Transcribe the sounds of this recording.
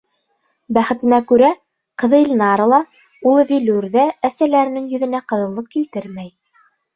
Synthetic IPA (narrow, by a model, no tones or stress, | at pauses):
bæχɘ̆t̪ɘ̆nækʉɾæ | qɤ̆ðɤ̆lʲnɑɾɤ̆lˠɑ | ulˠɤvʲiluɾðææsælæɾɘ̆nɘŋjɵ̆ðɘ̆næqɤ̆ðɤ̆lˠːɤp̚kilt̪ɘɾmæj